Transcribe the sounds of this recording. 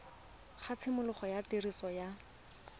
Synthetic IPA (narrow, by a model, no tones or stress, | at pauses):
χat͡sʰɪmʊlʊχɔjatɪrisɔja